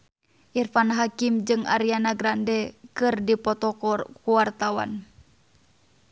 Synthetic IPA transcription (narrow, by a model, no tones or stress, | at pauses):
ʔirfanaɦakimd͡ʒɨŋʔa̰ɾianaɡɾandɛkɨrdipɔt̪ɔkuwart̪awa̰n